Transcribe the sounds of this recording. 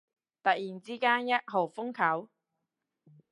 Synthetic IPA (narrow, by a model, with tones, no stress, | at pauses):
t̪ɐ˨t̚jiː˨˩nt͡siː˥kaː˥njɐ˥t̚ɦo˨˩wfʊ˥ŋkʰɐ˨˥w